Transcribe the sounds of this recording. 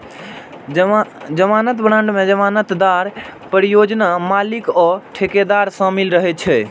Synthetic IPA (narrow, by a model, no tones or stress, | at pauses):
d͡ʒəmanət̪bɾãɳɖmed͡ʒəmanət̪d̪aɾpəɾijod͡ʒnamalikɔʈʰeked̪aɾsə̃milɾəɦɛt͡ʃʰɛ